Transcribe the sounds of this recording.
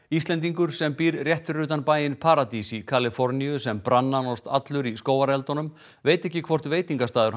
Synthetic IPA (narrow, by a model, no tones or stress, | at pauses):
ist̪lɛnt̪̬iŋkʏɾ̥sɛmpiːɾrjɛht̪ʏɾʏːt̪anpaːjɪnpʰaɾat̪isikʰalɪfɔɾniʏsɛmpɾanːanɔst̪a̰t̪lʏɾiskoːwaɾɛlt̪ɔnʏm | veːjt̪ɛhcːɪkʰvɔr̥t̪veːjt̪iŋkast̪aːðʏɾ